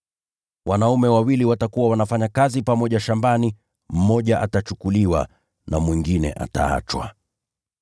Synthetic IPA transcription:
wʔanaumɛwawiliwatakuwawanafaɲakazipamɔʄaʃambani | m̩mɔʄaʔatat͡ʃukuliwa̰ | namwiŋɡinɛ̰ʔa̰ta̰a̰t͡ʃwa̰

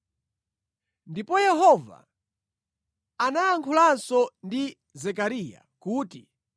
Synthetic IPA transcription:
ndipɔjɛɦɔva̰ | anaːŋkʰulansɔndi | zɛkaɾiːja̰kuːti

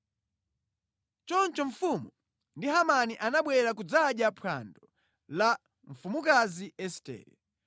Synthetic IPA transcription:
t͡ʃɔnt͡ʃɔɱfumu | ndiɦamaniʔanaɓwɛɾakud͡zaɗjapʰa̰ndɔ | la | ɱfumukaziɛstɛ̰ːɾɛ̰

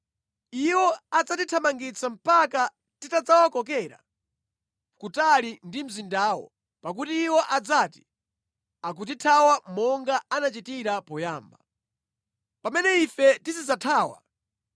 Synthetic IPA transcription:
iwɔad͡zatitʰamaŋɡit͡sʰam̩paka | titad͡zawakɔkɛːɾa̰ | kutalindim̩zindaːwɔ̰ | pak̬utiːwɔʔad͡zaːti̥ | ak̬ut̬itʰawamɔŋɡaanat͡ʃitiɾapɔjaːmba | pamɛnɛifɛtisid͡zatʰaːwa̰

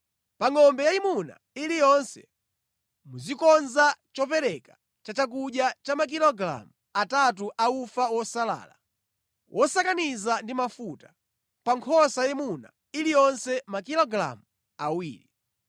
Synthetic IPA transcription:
paŋɔmbɛjaimuna̰ | ilijɔnsɛ̰ | muzikɔnzat͡ʃɔpɛɾɛkḁ | t͡ʃat͡ʃak̬uɗjat͡ʃamak̬ilɔɡɾa̰mu | atat̬uʔaufawɔsala̰ːla̰ | wʔɔsakanizandimafutḁ | paŋkʰɔsajimuna̰ | ilijɔnsɛmakilɔɡɾa̰mu | awḭːɾi

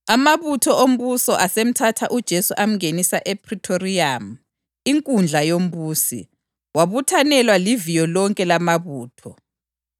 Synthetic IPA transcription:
amaβutʰɔʔom̩βusɔʔasem̩tʰatʰaʔud̥ʒ̥ʱesuʔam̩ɣenisaʔɛpʰritʰoriam̩ | iŋkʼund͡ɮʱajom̩βuːsḭ | waβutʰanɛlwalivijɔlɔŋkʼɛlamaβuːtʰɔ

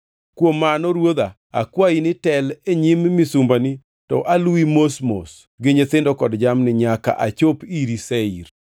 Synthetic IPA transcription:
kwomːanɔɾwod̪a | a̰kwainɪtɛleɲimmisumbani | tɔʔaluimosmo̰s | ɡeɲet̪ɪndɔkɔdd͡ʒamnɪɲaka̰ʔat͡ʃopiɾiseiɾ

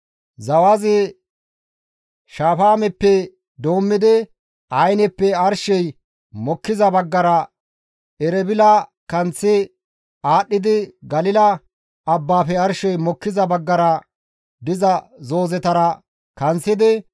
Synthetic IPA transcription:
zɐwazɪ | ʃaːfaːmɛpːɛ | d̪o̞ːmːɪd̪ɪ | ɐjnɛpːɛɐɾʃɛj | mɔkːɪzɐbɐɡːɐɾɐ | ɛɾɛbɪlɐkɐnt͡sːɪ | aːɗːɪd̪ɪɡɐlɪlɐː | bːaːfɛɐɾʃɛjmɔkːɪzɐbɐɡːɐɾɐ | d̪ɪzɐzo̞ːzɛt̪ɐɾɐ | kɐnt͡sːɪd̪ɪ

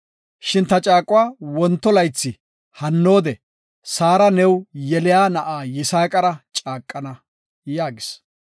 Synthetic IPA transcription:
ʃɪnt̪ɐt͡ʃʼaːkʼʊwaːwɔnt̪ːɔlɐjt͡sːɪ | hɐnːo̞ːd̪ɛ | saːɾɐnɛwjɛlɪjaːnɐʔaːjɪsaːkʼɐɾɐt͡ʃʼaːkʼːɐnɐ | jaːɡɪs

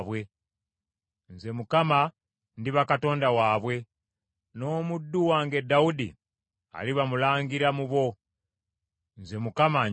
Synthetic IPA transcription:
βwe̞ | nze̞mukama | ndiβakato̞ːndawaːβwe̞ | no̞ːmudːuwaːŋɡe̞dːaudḭ | a̰liβamulaːŋɡiɾamuβo̞ | nze̞mukama

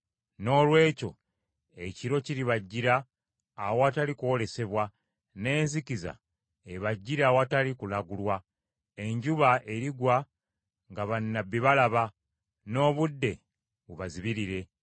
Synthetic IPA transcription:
no̞ːlwe̞ːco̞ | e̞ciɾo̞ciɾiβaɟːiɾaː | wowatalikuole̞se̞βwa | ne̞ːnzikiza̰ | eβaɟːiɾawatalikulaɡulwa | e̞ɲɟuβaʔe̞ɾiɡwa | ŋɡaβanːabːiβalaβa | no̞ːβudːe̞ | βuβaziβiɾiɾe̞

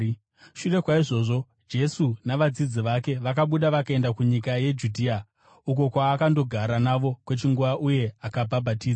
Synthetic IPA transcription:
ʃure̞kwaiʐo̞ːʐo̞ | d͡ʒe̞sunaʋad͡zid͡ziʋake̞ʋakaɓuɗaʋakae̞ndakuɲikaje̞d͡ʒudʱiːa | uko̞kwaːkando̞ɡʱaɾanaʋo̞kwe̞t͡ʃiŋɡuʋaʔuje̞akabʱabʱatiːd͡za

